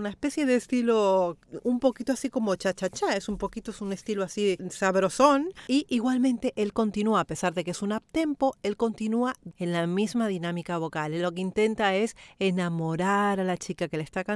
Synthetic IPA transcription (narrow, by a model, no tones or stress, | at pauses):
unaespe̞sje̞ðeːst̪ilo̞umpo̞kit̪oasiko̞mo̞t͡ʃat͡ʃat͡ʃaesumpo̞kit̪oesune̞st̪iloasisaβɾo̞so̞niʔiɣwalmẽnt̪e̞ʔe̞lko̞nt̪inuaːpe̞saɾðekesunap̚t̪e̞mpo̞e̞lko̞nt̪inuae̞nlamizmaðinamikaβ̞o̞kallo̞ke̞int̪e̞nt̪ae̞se̞namo̞ɾaɾalat͡ʃikake̞lest̪aka